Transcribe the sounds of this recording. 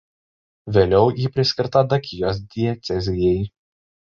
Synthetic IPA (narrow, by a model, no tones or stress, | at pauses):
ʋʲeːlʲɛʊjiːpʲɾʲɪsʲkʲɪɾt̪ɐd̪ɐkʲʰɪjoːs̬d̪ʲɪɛt̪sʲɛzʲɪjɛɪ